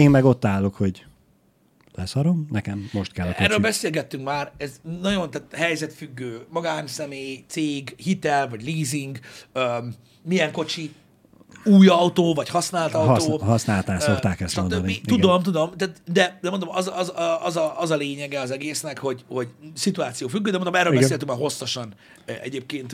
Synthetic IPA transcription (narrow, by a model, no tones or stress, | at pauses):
eːmmɛɡo̞t̪ːaːlːo̞kho̞ɟ | lɛsɒɾo̞mnɛkɛmːo̞ʃt̪̚kɛlːɒkoɛːrːøːbɛseːlɡɛt̪ːyŋkmaːrɛznɒɟo̞nt̪aːt̪hɛjzɛt̪fyɡːøːmɒɡaːnsɛmeːjt̪seːɡhit̪ɛlvɒɟliːziŋɡøː | mijɛŋko̞t͡ʃi | uːjɒwt̪oːvɒchɒsnaːlt̪ɒwt̪oːhɒsnaːlt̪aːsokt̪aːkɛst̪ːondoniud̪omt̪̬ud̪o̞mt̪aːt̪d̪ɛd̪ɛmo̞nd̪omɒzɒzɒzɒɒzɒleːɲɛɡɛɒzɛɡeːsnɛkho̞ɟho̞ɟsit̪uaːt̪sijoːfyɡːøːd̪ɛmonomɛrɾølbɛseːɡɛt̪yŋkmaːrɦo̞sːoʃɒn | ɛ̰ɟeːp̚keːnt̪